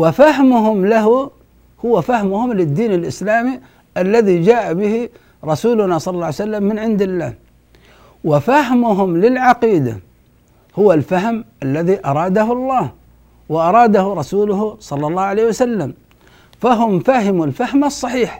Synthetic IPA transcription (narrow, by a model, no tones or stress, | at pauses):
wɪfahmʊɦʊmlaɦʊ | hʊwafahmʊhʊmlɪd̪ːiːnɪlʔɪslaːmi | ʔalːaðid͡ʒaːʔabɪhi | ɾˤɑsuːlʊnasˤɑlːɑlːˤɑːʕjsalːamːɪnʕɪnd̪ɪlːa̰ːh | wɪfaɦmʊɦʊmlɪlʕɑqiːd̪a̰ | hʊwalfaɦmʔalːaðiʔɑɾˤɑːd̪aɦʊlˤːɑːh | wɪʔɑɾˤɑːd̪ahʊɾˤɑsuːlʊhsˤɑlːɑlˤːɑːhʕaleːhwasalːam | faɦʊmfaɦɪmulfahmɑsˤːɑħiːħ